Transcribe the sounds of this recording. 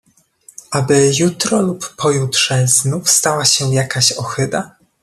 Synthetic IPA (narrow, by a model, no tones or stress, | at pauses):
ʔabɘjut̪ɾɔlupːɔjut̪ʂɛznufst̪awaɕɛjakaɕɔxɘd̪a